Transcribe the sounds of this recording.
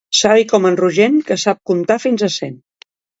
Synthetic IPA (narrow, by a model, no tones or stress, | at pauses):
saβikɔmənruʒenkəsap̚kunt̪afinzəsɛn